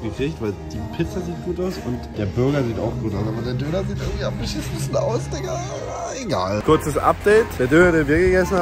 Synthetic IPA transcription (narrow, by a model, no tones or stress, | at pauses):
ɡ̥əfeːçtv̥aɪld̥iːpʰɪt͡saziːt̚ɡ̥uːtaʊsʊntd̥eːɐbʏɐɡɐziːta̰ʊxɡ̥uːtaʊsaːbɐdeːɐdøːnɐziːtʔɪɐŋtv̥iaɪçis̩bɪsçəna̰ʊsd̥ɪɡa | a | eɡaːlkʰʊɐt͡səsʔa̰p̚d̥ɛːtd̥eːɐdøːnɐdeːɐnviːɐɡəɡɛsn̩a